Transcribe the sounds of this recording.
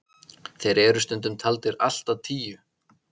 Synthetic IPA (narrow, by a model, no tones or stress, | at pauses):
θejɾɛɾʏst̪ʏnt̪ʏmt̪ʰalt̪ɪɾal̥t̪aðt̪ʰiːjʏ